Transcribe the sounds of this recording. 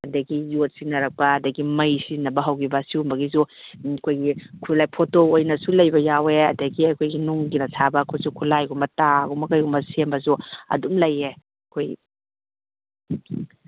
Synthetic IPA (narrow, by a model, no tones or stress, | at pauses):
ɐdɐɡijot̚sinɐɾɐk̚pɐːdɐɡimɐjsinɐbɐɦɐwkibɐsiumbɐɡis̬ukʰojɡikʰulajpʰotoojnɐsulɐjbɐjaweɐ̰dɐɡiɐkʰojɡinuŋɡinɐtʰabɐkʰojsukʰulajɡumbɐtaɡumɐkɐjɡumɐsembɐs̬uɐ̰dumlɐje | kʰoj